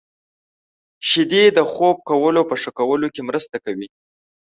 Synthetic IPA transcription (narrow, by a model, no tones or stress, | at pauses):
ʃɪd̪ed̪əxob̚kawəlopəʂəkawəlokemɾəst̪akawi